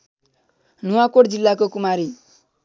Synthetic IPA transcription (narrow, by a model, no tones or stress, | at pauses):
nuwakoʈd͡zilːakokumaɾi